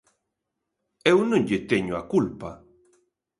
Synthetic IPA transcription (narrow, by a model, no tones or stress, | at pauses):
ewnõŋʎet̪eɲoakulpa